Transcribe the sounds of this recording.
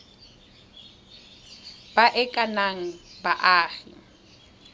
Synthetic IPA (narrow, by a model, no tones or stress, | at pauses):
baʔɛkʼanaŋ̩baʔaːɣɪ̰